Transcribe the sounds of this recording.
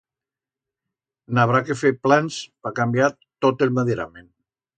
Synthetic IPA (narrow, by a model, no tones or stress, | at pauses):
naβ̞ɾakefeɾplanspakambja | t̪ot̪elmaðiɾa̰men